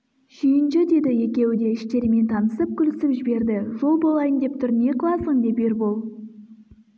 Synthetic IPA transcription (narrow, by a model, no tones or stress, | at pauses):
ʒijɪnʃɪd̪e̞d̪ɪe̞kʲe̞wɪd̪e̞ɪʃt̪e̞ɾɪme̞nt̪ʰɑnəsəp̚kʲʰʏlɪsɪpʒɪbe̞ɾd̪ɪʒo̞lˠbolˠɑjənd̪e̞p̚t̪ʰʏɾɪne̞qʰəlˠɑsəɴd̪e̞peɾbolˠ